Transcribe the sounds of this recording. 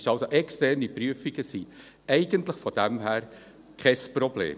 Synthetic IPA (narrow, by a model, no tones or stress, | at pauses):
ʃɑlsoʔɛkstɛrnipɾyəfiɡ̥əsi | ɛɪɡ̥əntləχfɔd̥æmɦæːɾ | kʰɛsprɔb̥lḛːm